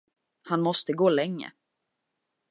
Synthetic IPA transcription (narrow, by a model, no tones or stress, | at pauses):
hanmɔst̪əɡoːlɛŋːə̰